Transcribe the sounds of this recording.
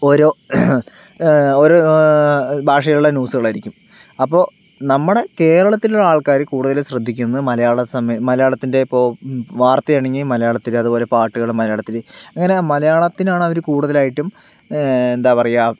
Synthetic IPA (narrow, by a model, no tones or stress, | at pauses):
oɾo̞ː | oɾo̞ | bʱaːʂɐjɐluɭːɐnuːsuɣɐɭaːjiɾikʲːum | ɐpːo̞ː | nɐmːɐɽe̞ke̞ːɾɐɭɐt̪ːiluɭːɐaːɭkaːɾɨkuːɽuðɐleɕrɐd̪ʱːikʲːunːɨmɐlɐjaːɭɐsɐmmɐlɐjaːɭɐt̪ːinde̞ipːo̞ːʋaːrt̪ːɐjaːɳeŋɡilmɐlɐjaːɭɐt̪ːilɨɐðubo̞ːle̞paːʈːuɣɐɭmɐlɐjaːɭɐt̪ːilɨɐŋːɐne̞mɐlɐjaːɭɐt̪ːinaːɳɨo̞ɾukuːɽuðɐlaːjiʈːum | end̪aːpɐrɐjaː